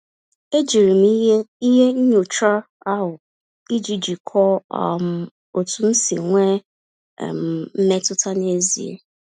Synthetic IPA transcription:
e˦d͡ʒi˨ɾi˨m˦i˦ɦe˦ɲ̩˦ɲu˨t͡ʃa˦ | a˦ɦʊ˨ | i˦d͡ʒi˨d͡ʒi˨kʰɔ˦a˨m˨ | o˨tu˨n̩˦sḭ˨ŋʷḛ˦˨ | m̩˨n̩˦ne˦tʊ˦ta˦ne˦zḭ˨ḛ˦

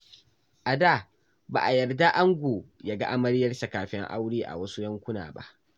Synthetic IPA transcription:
ʔa˨da˦˨ | ba̰ː˨ʔa˨jɐ˨rda˦ʔa˦ŋɡʷoː˨ja˦ɡa˦ʔa˦mɐ˦ɽjɐ˦rsa˨kaː˨ɸɪ˦ŋʔa̰˦wɽiː˦ʔa̰˨wɐ˦su˦jɐ˦ŋkʷʊ˦na̰ː˨ba̰˦ʔ

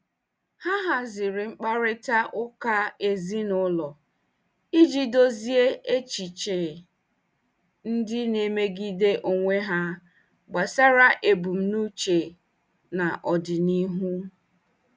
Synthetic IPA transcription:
ha˦ɦa˨zɪ˨ɾɪ˨ŋ͡m̩˦k͡pa˦ɾɪ˦ta˦ʔʊ˦ka˦e˨zi˦nʊ˦lɔ˨ | i˦d͡ʒi˦do˦zi˦e˦e˦t͡ʃi˨t͡ʃe˨ | n̩˦dɪ˦ne˦me˦ɡi˦de˦ʔo˨ŋʷe˦ɦa˦ | ɡ͡ba˨sa˦ɾa˦ʔe˨bu˨m̩˦nu˦t͡ʃe˨ | na˨ʔɔ˨dɪ˨ni˦ɦu˦

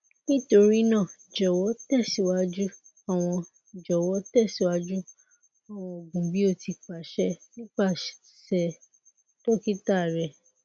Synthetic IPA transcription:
nĩ˦to˧ɾi˦nãː˦˨d͡ʒɔ˨wɔ˨˦tɛ˦˨si˨˦wa˦d͡ʒu˦ | a˦˨w̃ɔ̃˧˨ | d͡ʒɔ˨wɔ˨˦tɛ˦˨si˨˦wa˦d͡ʒu˦ | a˨w̃ɔ̃˧o˨ɡũ˨bi˦o˦˨ti˧k͡pa˨ʃɛ˦nĩ˦k͡pa˦˨ | ʃɛ˨ | to˦ki˦ta˦˨ɾɛ˨

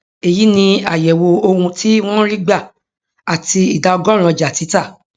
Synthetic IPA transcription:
e˨ji˨˦nĩ˧a̰˨jɛ˨wo˧o˧hũ˧ti˦w̃ɔ̃˦ɾi˦ɡ͡ba˦˨ | a˨ti˧i˨da˧ɔ˧ɡɔ˦˨ɾ̃ã˨˧d͡ʒa˨ti˨˦ta˦˨

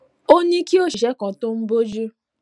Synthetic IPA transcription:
o˦nĩ˦ki˦o˦˨ʃi˨ʃɛ˨˦kɔ̃˨to˦m̩˦bo˦d͡ʒu˦

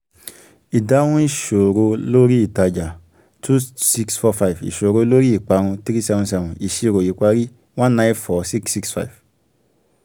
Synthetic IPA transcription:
i˨da˨˦wũ˦i˦˨ʃo˨ɾo˧lo˦ɾi˦i˦˨ta˧d͡ʒa˨ | tu˦si˧ksfɔ˧fa˧i˨fḭ˨ʃo˨ɾo˧lo˦ɾi˦i˨k͡pa˧ɾ̃ũ˧tɾi˦sɛ˧vɔ̃˧sɛ˧vɔ̃˨i˨ʃi˧ɾo˨ji˨k͡pa˧ɾi˦ | w̃ã˦nã˦˧˦fɔ˨˦si˦ksi˧ksfa̰˦i˨v

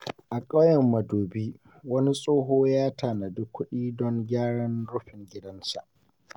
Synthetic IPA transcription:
ʔa˨kʼa˦jɛ˨mːɐ˨doː˨biː˦ | wɐ˦ni˦sʼoː˦ɦoː˦jaː˦taː˨na˨dʊ˦kʷːʊ˦ɗiː˦dɔ˦ŋɡʲaː˦ɽɐ˦nɽʊ˦ɸɪ˨ŋɡʲɪ˦dɐ˦nsa̰˨ʔ

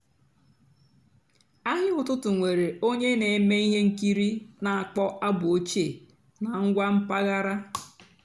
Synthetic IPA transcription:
a˦ɦɪ˦ʊ˨tʊ˦tʊ˨ŋʷe˨ɾe˨o˦ɲe˦ne˨˦me˦i˦ɦe˦ŋ̩˦˨ki˦ɾi˦na˨a˨k͡pɔ˦ʔa˦bʊ˨o˦t͡ʃe˨ | na˨ŋ̩˦ɡʷa˦m̩˦pa˦ɣa˦ɾa˦

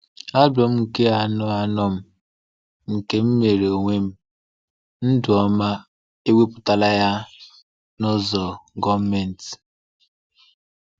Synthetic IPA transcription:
a˦bɔ˨m̩˦ŋ̩˨ke˦a˨nɔ˦a˨nɔ˦m̩˦ | m̩˨ke˦m̩˦me˨ɾe˨o˨ŋʷe˦m̩˦ | n̩˦dʊ˨ɔ˦ma˦ | e˦we˦pʊ˨ta˨la˦ja˦ | nʊ˦zɔ˨ɡɔ˦me˨n̩˨t

